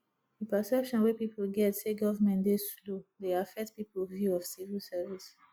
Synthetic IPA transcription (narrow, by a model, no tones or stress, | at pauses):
ðəpəsɛpʃɔ̃nwepiplɡɛtseɡɔvəmɛ̃ntdeslodeafɛk̚tpiplvjuɔvsivilsɛvis